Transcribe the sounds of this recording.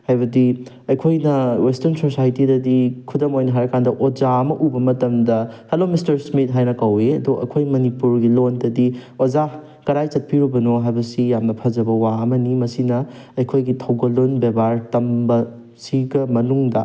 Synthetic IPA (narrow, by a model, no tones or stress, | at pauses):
hajbɐdi | ɐjkʰojnɐwestɐɾnsosajtidɐdikʰudɐmojnɐɦaɾɐkandɐʔod͡ʒaɐmɐʔubɐmɐtɐmdɐhelomistɐɾsmit̚ɦajnɐkɐweɐdoɐ̰kʰojmɐnipuɾɡilondɐdiod͡ʒa | kɐɾajt͡ʃɐt̚pʰiɾubɐnoɦajbɐsijamnɐpʰɐd͡ʒɐbɐwaɐmɐnimɐsinɐ | ɐjkʰojɡitʰɐwɡɐlonbebaɾtɐmbɐ | siɡɐmɐnuŋdɐ̰